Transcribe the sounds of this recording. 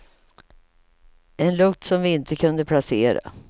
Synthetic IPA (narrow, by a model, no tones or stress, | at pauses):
ɛnlɵk̚t̪sɔmvɪɪnt̪əkʰɵnd̪əpʰlaseːɾa̰